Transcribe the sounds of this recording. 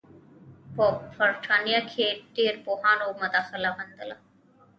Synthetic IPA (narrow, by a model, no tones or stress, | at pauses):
pofʰəɾʈʰaːnijakʰeːʈːiɾpoɦaːnoːməd̪aːxəlabənd̪əla